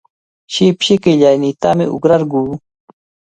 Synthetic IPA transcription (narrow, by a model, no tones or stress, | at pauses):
ɕipɕikiʎajnit̪amɪ̰ʊ̰ɡɾaɾɡuː